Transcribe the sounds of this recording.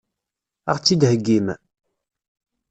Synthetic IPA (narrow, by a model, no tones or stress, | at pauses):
a̰ʁt͡sːid̪həɡːim